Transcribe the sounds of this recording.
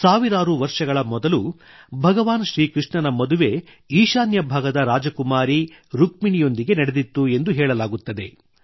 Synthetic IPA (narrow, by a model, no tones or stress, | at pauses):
saːʋiɾaːɾuʋɐɾʂɐɡɐɭɐmɔd̪ɐlu | bʱɐɡɐʋaːnɐʃɾiːkɾiʂɳɐnɐmɐd̪uʋe̞ | iːʃaːnjɐbʱaːɡɐd̪ɐɾaːd͡ʒɐkumaːɾiɾuk̚miɳijo̞nd̪iɡe̞nɐɽed̪it̪ːue̞nd̪uɦɛːɭɐlaːɡut̪ːɐd̪e̞